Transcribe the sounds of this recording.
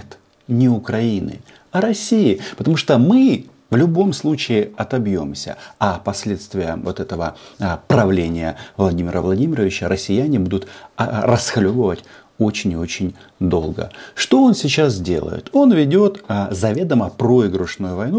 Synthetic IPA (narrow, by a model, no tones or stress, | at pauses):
t̪ | nʲɪʊkɾɐinɨ̰ | ɐɾɐsʲijɪpət̪ɐmuʂt̪omɨ | vlʲʊbo̞mslˠut͡ɕɪɪɐt̪ɐbjo̞̰msʲə̰ɐpɐsʲlʲe̞t̪st̪vʲɪjə̰vot̪ɛt̪əvəpɾɐvlʲenʲɪjəvlˠɐdʲimʲɪɾəvlˠɐdʲimʲɪɾəvʲɪt͡ɕəɾʔəsʲːɪjænʲɪbud̪ʊt̪rəsxɐlʲobəvətʲ | o̞t͡ɕɪnʲɪo̞t͡ɕɪnʲ | d̪o̞̰lˠɡə̰ʂt̪o̞o̞nsʲɪt͡ɕas̬dʲe̞̰lˠə̰jɪ̰t̪ʰo̞nvʲɪdʲo̞t̪ːzɐvʲe̞d̪əməpɾo̞ɪɡɾʊʂnujʊvɐjnu